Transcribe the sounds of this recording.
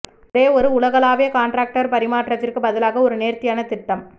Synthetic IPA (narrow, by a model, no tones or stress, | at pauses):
ɾeːɔɾɯʊɭɐɣɐlaːʋeːkaːɳɖɾaːk̚ʈɐɾpɐɾɪmaːʈrɐt̪ːɪrkɯbɐðɪlaːɣɐɔɾɯneːɾt̪ɪjaːnɐt̪ɪʈːɐm